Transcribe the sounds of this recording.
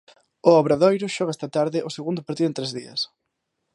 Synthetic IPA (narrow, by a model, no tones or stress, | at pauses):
ʊaβɾaðojɾʊʃɔɣ̞ɐɛst̪ɐt̪aɾðɪʔʊseɣund̪ʊpaɾt̪iðent̪ɾezðiɐ̰s